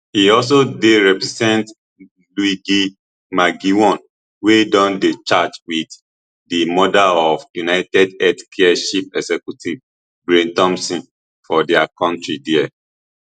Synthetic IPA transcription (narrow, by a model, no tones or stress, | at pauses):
hiɔls̬odeɹɛpɹɛzɛ̃nt | luiɡi | maɡiwɔ̃n | wedɔ̃ndet͡ʃad͡ʒwid | dimɔdalɔfjunaɪtɛdɛtkʰɛaʃip̚ɛsɛkjutiv | ɡɹẽntɔ̃msɔ̃n | fɔdɛakɔ̃ntɹidiɛ